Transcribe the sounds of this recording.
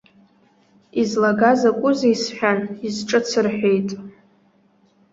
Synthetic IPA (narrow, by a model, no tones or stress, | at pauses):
izlaɡazakʷʼʊzeisħʷᶣanizʈ͡ʂʼɨt͡sʰɨrħʷᶣejtʼ